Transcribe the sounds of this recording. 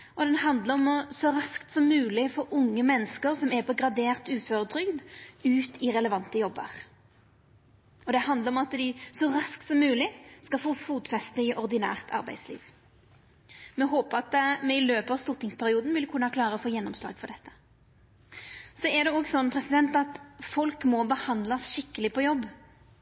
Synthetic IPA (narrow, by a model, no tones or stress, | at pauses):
ɔd̪ɛnhɑnd̪ləɾɔmɔsɔʁɑskt̪sɔmːʉːlɪfɔʔʊŋːəmɛnːəskəʁsɔmɛpʰɔɡɾɑd̪eːʁt̪ʉːføːʁəd̪ɾʏɡd̪ʉːt̪ʰɪʁɛləʋɑnt̪əjɔbːə̰ʁ | ɔd̪ɛhɑnd̪ləɾɔmɑt̪d̪ɪsɔʁɑskt̪sɔmːʉːlɪskɑfufuːt̪fɛst̪əɪʔɔʁd̪ɪnæ̰ːʁt̪ʰɑ̰ʁbæ̰ɪd̪slḭːʋ | mɛɦoːpəʁɑt̪mɛɪløːpəɑʋst̪ʊʁt̪ɪŋspʰæɾɪuːd̪n̩ʋɪlkʰʉnːəhɑklɑːɾəɔfoːjɛnːɔmslɑ̰ːɡfɔʁd̪ɛt̪ːə̥ | sɔɛd̪ɛɔɡsɔnːpʰʁɛsɪd̪ɛnt̪ɑt̪fɔlkmɔbəhɑnd̪lɑsʃɪkːəlɪpʰɔjɔbː